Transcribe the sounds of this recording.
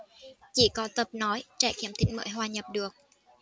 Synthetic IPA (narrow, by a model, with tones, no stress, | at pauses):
t͡ɕi˧˩kɔ˨˦t̪ə˨˩p̚nɔ˨˦jt͡ɕɛ̰˧˩kḭ˧˩əmt̪ʰï˧˦ŋ̟mə̰ː˧˥˦jɦwaː˧ɲə˨˩p̚ɗɨ˨˩ək̚